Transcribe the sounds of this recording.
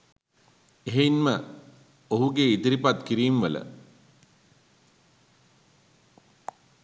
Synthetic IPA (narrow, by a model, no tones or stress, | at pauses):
eɦeinmə | oɦuɡeit̪iɾipat̪kiɾiːmʋələ̰